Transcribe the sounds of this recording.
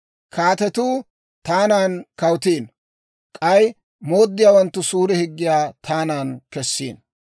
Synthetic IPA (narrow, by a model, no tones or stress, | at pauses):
kʰaːt̪ɛt̪uː | t̪aːnaːnkɐwt̪iːn | kʼɐj | moːd̪ːɪjaːwɐnt̪ːʊsuːɾɛhɪɡːɪjaːt̪ʰaːnaːnkɛsːḭːn